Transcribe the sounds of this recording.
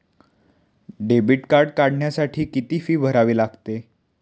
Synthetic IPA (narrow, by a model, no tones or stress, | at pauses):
ɖebiʈkaɾɖkaɽɳjasaʈʰiːkit̪iːfiːbʱəɾaʋiːlaɡt̪e